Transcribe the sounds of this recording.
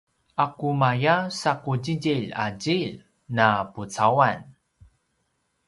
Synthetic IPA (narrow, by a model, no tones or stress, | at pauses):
ʔakumajasakud͡ʑiɟiʎa̰ɟiʎ | naput͡sawan